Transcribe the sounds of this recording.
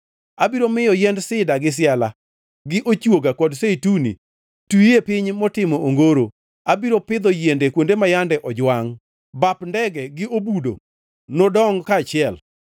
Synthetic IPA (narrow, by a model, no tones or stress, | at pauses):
abiɾomɪjɔjɛndsɪdaɡɪs̬ɪala | ɡɪʔot͡ʃwoɡakɔdseitunḭ | tujepɪɲmɔtɪmɔʔoŋɡoɾo | abiɾopɪd̪ɔjendekwondemajandɛʔɔd͡ʒwaŋ | bapndɛɡɛɡɪobudo̰ | nodɔŋkat͡ʃɪɛl